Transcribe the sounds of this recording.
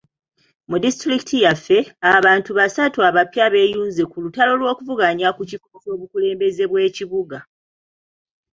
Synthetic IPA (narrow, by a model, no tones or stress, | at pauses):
mudistɾiki̥tʰijafːe̞aβaːntuβasatuaβapjaβe̞juːnzekulutalo̞lwo̞ːkuvuɡaɲakucikoso̞ːβukule̞ːmbe̞ze̞βwe̞ːciβuɡa